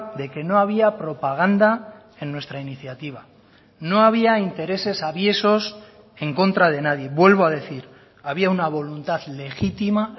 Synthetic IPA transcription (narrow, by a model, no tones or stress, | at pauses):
d̪e̞ke̞no̞aβ̞iapɾo̞paɣ̞and̪a | e̞nːwe̞st̪ɾainiθjat̪iβ̞a | no̞aβ̞iaint̪e̞ɾe̞se̞saβje̞so̞s | e̞ŋko̞nt̪ɾað̞e̞naðje̞βwe̞lβoað̞e̞θiɾ | aβiaunaβ̞o̞lunt̪aðle̞xit̪ima